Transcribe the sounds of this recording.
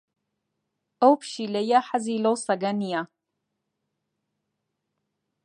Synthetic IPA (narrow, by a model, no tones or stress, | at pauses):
owpʰʃilɐjaħazilowsaɡanija